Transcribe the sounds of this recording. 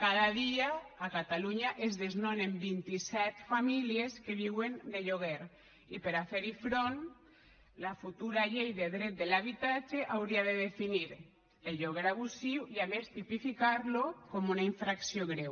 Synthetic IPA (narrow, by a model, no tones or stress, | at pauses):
kaðaðiaːkat̪aluɲaʔezðeznonembint̪isɛt̪familieskeβiwend̪eʎoɣeɾ | ipeɾafeɾifɾon | lafut̪uɾaʎejðeðɾet̪̚d̪elaβit̪at͡ʃeʔawɾiaðeðefiniɾ | eʎoɣ̞eɾaβusiwiaβest̪ipifikaɾlokomunaiɱfɾaksjoɣɾew